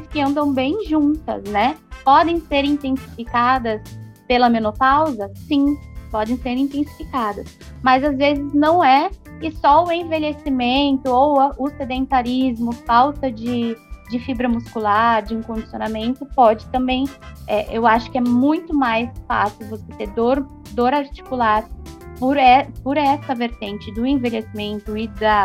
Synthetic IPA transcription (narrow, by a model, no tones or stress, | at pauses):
skɪɐ̃nd̪ɐ̃w̃bẽj̃ʒũt̪ɐ̰znɛpɔd̪ẽj̃seɾĩnt̪ẽsi̥fikad̪ɐspelɐmẽnopawzɐsĩpɔd̪ẽj̃seɾĩnt̪ẽsi̥fikad̪ɐs | mɐzazvezɪznɐ̃w̃ɛɪsɔʊẽveʎesimẽnt̪ʊowɐʔʊsed̪ẽnt̪aɾizmʊfawt̪ɐd͡ʒɪd͡ʒɪfibɾɐmuskulaɾd͡ʒɪĩŋkõd͡ʒisjonamẽnt̪ʊpɔd͡ʒɪt̪ɐ̃mbẽj̃ɛʔewaʃʊ̥kɪɛmũj̃t̪ʊmajsfa̰siwvoset̪eɾd̪oɾ | d̪oɾaɾt͡ʃi̥kulaɾpʊɾɛpoɾɛsɐveɾt̪ẽt͡ʃɪd̪ʊẽvelesimẽnt̪ʊɪd̪ɐ